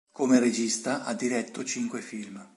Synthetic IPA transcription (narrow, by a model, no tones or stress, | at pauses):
komered͡ʒist̪aʔad̪ːiɾɛt̪ːot͡ʃiŋkwefilm